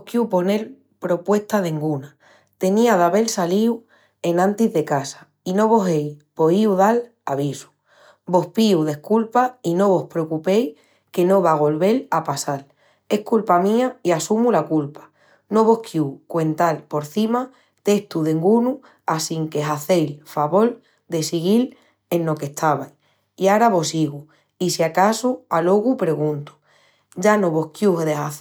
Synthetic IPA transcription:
hkjupo̞ne̞l | pɾo̞pwe̞ht̪aðe̞ŋɡuna | t̪e̞niaðaβe̞lsaliw | e̞nãnt̪izðe̞kasḁ | ino̞β̞o̞ɦe̞jpo̞iuðal | aβisu̥ | bo̞hpiuðe̞hkulpaino̞β̞o̞hpɾekupe̞j | ke̞nõ̞βaɣ̞o̞lβe̞lapasal | e̞hkulpamĩaiasumulakulpḁ | no̞βo̞hkʰjukwe̞nt̪alpo̞ɾθima | t̪e̞ht̪uðe̞ŋɡunu | asiŋke̞ɦaθe̞jlfaβo̞l | d̪e̞siɣil | e̞nlo̞ke̞ht̪ʰaβaj | iaɾaβo̞siɣu | isiakasualo̞ɣupɾe̞ɣ̞ũnt̪u̥ | ɟ͡ʝano̞βo̞hkjuɦeðeɦaθ

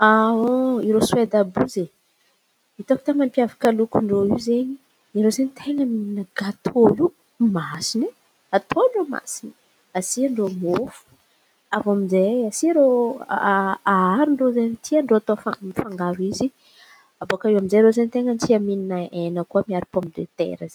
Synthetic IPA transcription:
aoiɾoswed̪abuze | it̪oki̥t̪amampiavakəlukuɳɖ͡ʐoiwzeɲi | iɾozenit̪ʰeŋəmininəɡat̪ʰolu | masini | at̪ʰoloma̰sini̥ | asiaɳɖ͡ʐomiofu̥ | avamizeasiaɾo | aaɾiɳɖ͡ʐozenit̪ʰiaɳɖ͡ʐoat̪ofamifaŋɡaɾuizi | abokəewamizeɾozenit̪eŋənt̪iamininəenəkuəmiaɾipomid̪et̪ḛɾəze

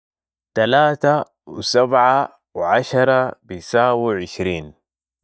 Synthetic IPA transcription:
t̪alaːt̪a | wḭsabʕa | wʕaʃɑɾˤɑbisaːwiʕɪʃɾiːn

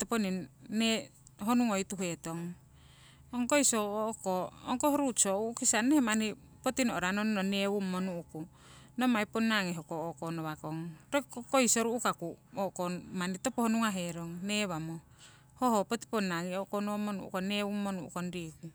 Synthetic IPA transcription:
toponinːeɦonuŋojt̪uɦet̪oŋ | oŋkojsookooŋkohoɾut͡ʃoukisanːehemani | pot̪inoʔoɾanonnonewumːonuuku | nomajponaŋeɦokookonoβakoŋɾokokojsoɾuʔukakuoʔkonmanitopohonuŋaɦeɾoŋneβamo | hohopot̪i̥ponːaŋiokonomonṵʔṵkonewumːonuʔṵkondiku

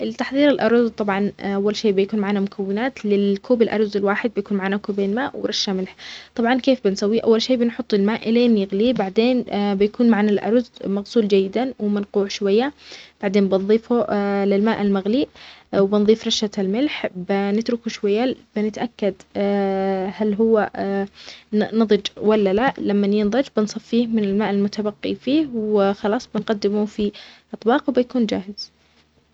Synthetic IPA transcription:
ʔlɪt̪aħðˤiːɾɪlʔɑɾˤzˤt̪ˤɑbʕɑnʔawːalʃeːʔbɪjakuːnmaʕaːnamʊkʰawːɪnaːt̪lɪlkuːbɪlʔɑ̰ɾˤzɪlwaːħɪd̪̚bɪjakuːnmaʕaːnakuːbeːnmaːʔwɪɾˤɑʃːamɪlħt̪ˤɑbʕɑnkeːfbɪnsawːiʔa̰wːalʃeːbɪnħʊt̪ˤːɪlmaːʔɪleːnjɪɣlibaʕd̪eːnbɪjakuːnmaʕanalʔɑ̰ɾˤzmaɣsuːld͡ʒajːɪd̪awɪmɪnquːʕʃwajːab̥aʕd̪eːnbɪnðˤiːfulɪlmaːʔalmaɣliːʔwbɪnðˤiːfɾˤɑʃalmɪlħbɪnɪt̪ɾʊkuʃwajːabɪnɪt̪ʔakːad̪ | halɦʊwːa | nɨðˤɨd͡ʒwalːalaʔlamːanjɪnðˤɑd͡ʒbɪnsˤɨfːiːhmɪnɪlmaːʔalmʊt̪abaqːifiːhwxɑlɑːsˤbɪnqɑd̪ːɪmufiʔɑt̪ˤbɑːqwbɪjakuːnd͡ʒaːhɪz̥

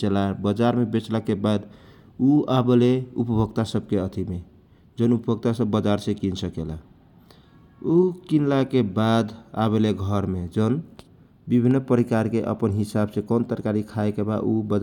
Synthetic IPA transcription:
t͡ʃelabəd͡ʒaɾmebet͡ʃlakebad̪ | uabeleupəbʱəɡt̪asəb̚keət̪ʰime | d͡ʒənupəbʱəɡt̪asəbːəd͡ʒaɾsẽkinsəkela̰ | ukinlakebad̪a̰βeleɡʱəɾmed͡ʒən | bibʱinːpəɾikaɾkeʔə̰pənɦisabsẽkont̪əɾkaɾikʰaekeba̰ubə

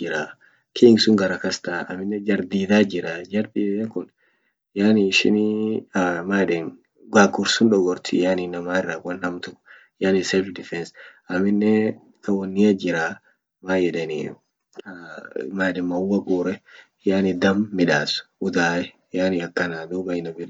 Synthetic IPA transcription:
d͡ʒɪɾa | kʰiŋɡsʊŋɡɐɾɐkɐst̪aːɐ̰mɪnːɛd͡ʒɐɾd̪iːd̪aːd͡ʒɪɾɐd͡ʒɐɾd̪iːd̪ɛŋkʊn | jaːniʃɪ̰ni | maːᶑɛn | ɡaːɡʊɾsʊnᶑɔɡɔɾt̪ɪjaːninːɐmaːɪrːawɐnːɐmt̪ʊ | jaːnɪsɛld̪ɪfɛns | ɐmɪnːɛ | kɐwɔnːɪɐd͡ʒɪɾa | maːjɛᶑɛnɪ̰ | maːᶑɛnmɐʊwːɐɡuːɾɛ | jaːnɪd̪ɐmːɪᶑaːsʊ̥ʊd̪aːɛ | jaːniɐkːɐnaːd̪oːbɐɪnɐbɪɾ

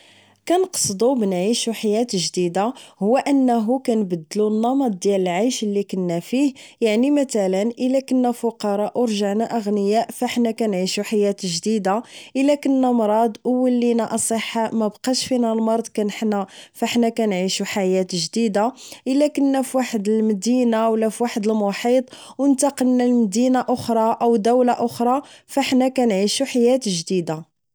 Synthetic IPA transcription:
kænqsˤd̪ˤubənʕiʃuħajæt̪ʒd̪id̪ahʊwːæʔənːæɦukænbəd̪ːəlunːɑmɑt̪̚ˤd̪jæləlʕajʃəlːikənːæfihjaʕnimæt̪ælənʔəlːækənːæfʊqɑɾˤɑʔwɾˤʒaʕnæʔəɣnəjæʔfæħnækænʕiʃuħajæt̪ʒd̪id̪aʔəlːækənːæmɾˤɑd̪ˤwəlːinæʔɑsˤəħːamæbqɑʃfinælmɑɾˤd̪ˤkænəħnæfaħnækænʕiʃuħajæt̪ʒd̪id̪aʔəlːækənːæfwaħəd̪əlmd̪inawlæfwaħəd̪əlmʊħit̪ˤwənt̪ɑqənnælməd̪inaʔʊxɾˤɑʔəwd̪æwlaʔʊxɾˤɑfaħnækænʕiʃuħajæt̪ʒd̪id̪a

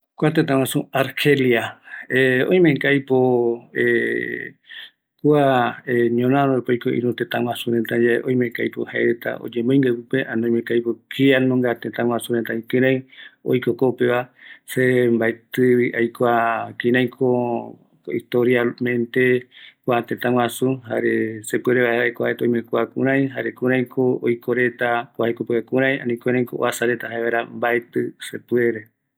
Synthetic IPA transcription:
kʷat̪et̪̬ãw̃ãsuaɾheljaeõ̰j̃mẽŋkajpoe | kuaeɲõnãɾõepojkoʔḭ̃ɾũt̪ẽt̪ãwãsuɾent̪ad͡ʒaḛʔõj̃mẽŋkajpohaeet̪a̰ʔo̰d͡ʒẽmoj̃ŋɡepɨpeʔanõĩmẽŋkajpokianõŋɡat̪ẽt̪ãw̃ãsuɾent̪aĩkɨ̃ɾ̃ãj̃o̰jkokopeβasembaet̪ɨβiʔajkʷakĩɾãj̃kʰo | ḭst̪oɾjalmẽnt̪e̞kʷat̪ẽt̪ãw̃ʷãsuɦa̰ɾesepweɾeβaaekoa̰ʔet̪õj̃mẽkʷakũɾ̃ãj̃ɦaɾekũɾãj̃kʰoojkʰoɾe̞t̪akʷaekopɨakũɾ̃ãj̃ã̰nĩkẽɾãj̃koʔoasaɾet̪ahaeβajɾambaet̪ɨsepɨeɾe

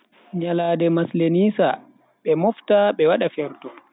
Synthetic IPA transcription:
ɲalaːdɛmasleniːsa | ɓɛmɔftaɓɛwaɗafɛɾtɔ

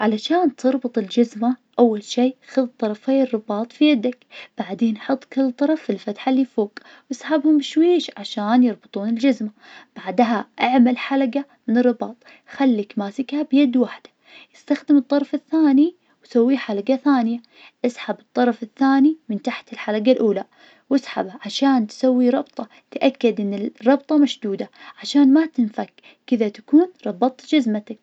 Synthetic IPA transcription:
ʕalaʃaːnt̪ʰɨɾˤbɨt̪ˤɪld͡ʒazmaʔawːalʃiːxaðt̪ˤːɑɾˤɑfejːɪrˤːɨbɑːt̪ˤfijad̪akb̥aʕd̪eːnʔħɑt̪ˤːkɪlːt̪ˤːɑɾˤɑfilfat̪ħalːiːfoːk | wsħabhʊmbɪʃwiːʃʕaʃaːnjɨɾˤbɨt̪ˤuːnɪld͡ʒazmab̥aʕd̪ɦaʔaʕmalħalaɡa | mɪnɨrːɨbɑːt̪ˤ | xalːikmaːsɪkhabjad̪waħd̪̥ḁ | jɪst̪axd̪ɪmɨt̪ˤːɑɾˤfɪθːaːni | wsawːiħalaɡaθaːnɪja | ʔɪsħabɨt̪ˤːɑɾˤɑfɪθːaːnimɪnt̪aħt̪ɪlħalaɡalʔuːla | wɪsħa̰baʕaʃaːnt̪sawːiɾˤɑbt̪ˤɑ | t̪ʔakːad̪ʔɪnːɪrˤɑb̚t̪ˤɑmaʃd̪uːd̪aʕaʃaːnmat̪ɪnfakː | ɪðat̪ḁkuːnɾˤɑbɑt̪ˤd͡ʒazmat̪ak̚

